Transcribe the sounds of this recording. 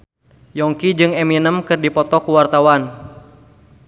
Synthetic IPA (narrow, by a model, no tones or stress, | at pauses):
jɔŋkid͡ʒɨŋɛminəmkɨrdipɔt̪ɔkuwart̪awan